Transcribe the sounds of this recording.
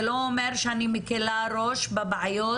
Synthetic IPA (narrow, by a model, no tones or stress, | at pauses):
loomeɾʃeanimekelaɾoʃbabʕajo